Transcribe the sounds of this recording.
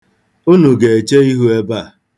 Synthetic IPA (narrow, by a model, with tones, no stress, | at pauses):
u˦nu˨ɡe˨e˨t͡ʃe˦i˦ɦu˦e˦ba˦˨